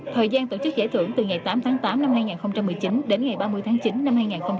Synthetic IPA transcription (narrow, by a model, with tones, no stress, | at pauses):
t̪ʰəː˨˩jzaː˧nt̪o˧˩t͡ɕɨ˦˥k̚zḛ˧˥t̪ʰɨ˧˩əŋt̪ɨ˨˩ŋa˨˩jt̪aː˨˦mt̪ʰaː˨˦ŋt̪aː˨˦mna˧mhaː˧jŋaː˨˩nxə˧wŋ͡mt͡ɕa˧mːɨ˨˩əjt͡ɕi˨˦nɗe˨˦nŋa˨˩jɓaː˧mɨ˧əjt̪ʰːŋt͡ɕi˨˦nːna˧mhaː˧jŋaː˨˩nxə˧wŋ͡m